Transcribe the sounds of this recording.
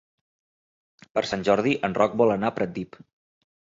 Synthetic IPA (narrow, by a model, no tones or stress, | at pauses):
pəɾsanʲʒɔɾðiʔənrɔk̚bɔlənapɾət̪̚d̪ip